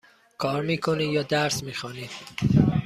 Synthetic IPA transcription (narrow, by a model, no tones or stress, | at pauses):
kʰɒːɾmiːkʰoniːjɒːd̪æɾsmiːxɒːniːd̪̥